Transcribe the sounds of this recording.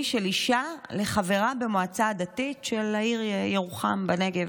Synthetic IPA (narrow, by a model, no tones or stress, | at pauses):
ʃe̞liʃale̞χave̞ʁabe̞moat͡saːdatitʃe̞laiʁjeʁuχambane̞ɡev